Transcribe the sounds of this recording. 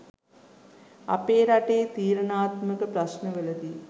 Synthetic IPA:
ɐ̰peːɾɐʈeːt̪iːɾɐɳaːt̪mɐkɐpɾɐɕnɐʋelɐd̪i

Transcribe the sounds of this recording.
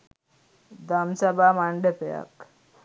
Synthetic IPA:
d̪ʱamsabʱamaɳɖepeja̰k

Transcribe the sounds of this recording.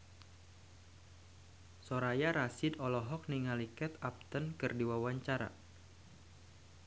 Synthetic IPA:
soɾajaɾasɪd̪ɔlɔɦɔk̚niŋalikɛt̪ap̚t̪ənkɨrdiwawaɲt͡ʃaɾa̰

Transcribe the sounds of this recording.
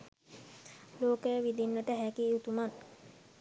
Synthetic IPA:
loːkəjʋid̪inːəʈəɦækiut̪uman

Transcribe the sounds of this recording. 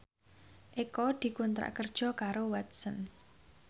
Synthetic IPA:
ʔekɔd̪̥i̤kunt̪ɾa̰ʔkərd̥ʒ̥ɔ̤kaɾowat̪sən

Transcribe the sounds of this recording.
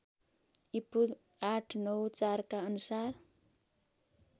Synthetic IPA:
ipud̪ | aʈʰnʌwt͡sarkaʌnusar

